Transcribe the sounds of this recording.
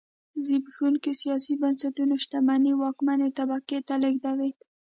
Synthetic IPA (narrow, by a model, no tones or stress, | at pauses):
zibɣunkesijɑsibansat̪unoʃt̪amaniwɑkmanet̪abaket̪alɪɡd̪awet̪